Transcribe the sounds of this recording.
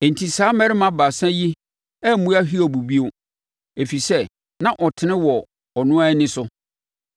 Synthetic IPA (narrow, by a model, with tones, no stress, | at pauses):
n̩˨tʰi˨saː˨˦mɛ˦ɾɪ˦mã˨ba˨sã˦ji˦ | ɛ˦m̩˨mũ˦a˦ɦi˦ɔ˨bu˨bi˦o˦ | e˨fi˨sɛ˦˨ | nã˦ʔɔ˨tʰɪ˨nɪ̃˦wɔ˨ | ɔ˨nʊ̃˦a˦ɛ˦nɪ̃˦sʊ˦